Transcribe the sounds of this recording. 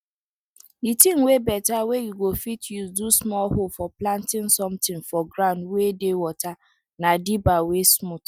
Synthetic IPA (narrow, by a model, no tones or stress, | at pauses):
itiŋ̩webɛtawejuɡofitjuzdusmɔlɦofɔplantɪ̃nsɔmtɪ̃nfɔɡɾaʊ̃ndwedewɔta | nadibawesmut